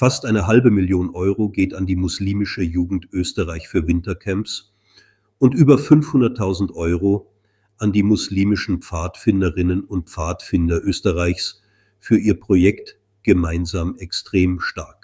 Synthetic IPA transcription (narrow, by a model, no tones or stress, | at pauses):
fastʔaɪnəɦalbəmɪljoːnʔɔʏʁoɡeːtandiːmʊsliːmɪʃəjuːɡŋ̩tʔøːstəʁaɪçfyːɐvɪntɐkʰɛmps | ʊntʔyːbɐfʏnfhʊndɐtʰːaʊzn̩tʔɔʏʁo | ʔandiːmʊsliːmɪʃn̩pp͡faːtfɪndəʁɪnənʊnt̚pp͡faːtfɪndɐʔøːstɐʁaɪçs | fyːɐʔiːɐpʁ̥ojɛkt | ɡ̥əmaɪnzaːmɛkstʁ̥eːmʃtaɐk